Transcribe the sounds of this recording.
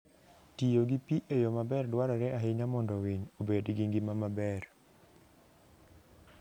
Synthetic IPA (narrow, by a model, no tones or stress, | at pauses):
tijoɡipiʔejomabɛrdwaɾɔɾɛaɦɪɲamɔndɔwiɲobedɡiŋɡimamabɛr